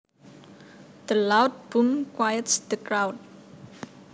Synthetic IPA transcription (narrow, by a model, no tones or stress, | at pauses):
d̪̥əlawt̚b̥ũmkwajətsd̪̥əkɹawd̚